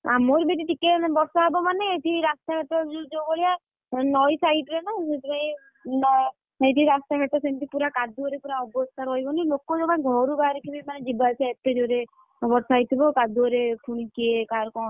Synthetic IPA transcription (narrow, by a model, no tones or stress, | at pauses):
a̰moɾbeʈ̪iʈikebɔɾsaɦebɔmaneeʈʰiɾast̪aɦɛʈɔd͡ʒud͡ʒoɡɔɭija | nɔjsajʈɾenasetibaĩ | nɔ | eʈiɾast̪aɦeʈɔsent̪ipuɾakad̪uɾepuɾaɔbɔst̪aɾɔɦibɔnilokod͡ʒɔãɡʱɔɾuɡaɾikʰibimaned͡ʒibat͡ʃʰaet̪ed͡ʒoɾe | bɔɾsajt̪ʰibɔkad̪uɔɾepʰuɽ̃ikiekaɾkɔ